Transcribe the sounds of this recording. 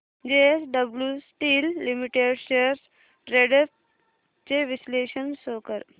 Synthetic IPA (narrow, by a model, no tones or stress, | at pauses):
d͡ʑeesɖəbljusʈiːlːimiʈeɖɕeɾs | ɾeɖep̚ | t͡ɕeʋisleːʃənsoːkəɾ